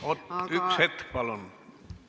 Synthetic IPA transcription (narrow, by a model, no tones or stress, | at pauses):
ot̪ykset̪ːpɑlon